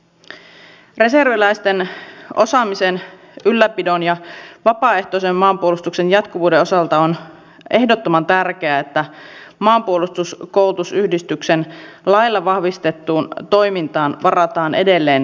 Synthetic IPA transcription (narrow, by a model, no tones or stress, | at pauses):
re̞se̞rʋilæjst̪eno̞sɑmisen | ylːæpidonjɑʋɑpɑːe̞ht̪oisemːɑːmpuolust̪ukse̞njɑt̪kuʋuːdeosɑlt̪ɑon | ʔe̞hdot̪ːomɑnt̪ærk̟eæet̪ːæ | mɑːmpuolust̪uskoulut̪usyhdist̪yksenlɑjlːɑʋɑhʋist̪et̪ːuːnt̪o̞jmint̪ɑːnʋɑrɑt̪ɑːnʔe̞̰de̞lːe̞ːn